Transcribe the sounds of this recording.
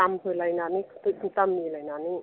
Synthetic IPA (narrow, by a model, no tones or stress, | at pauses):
ampʰɯːlajnaːnikʰt̪ɯit̪amːiːlajnaːni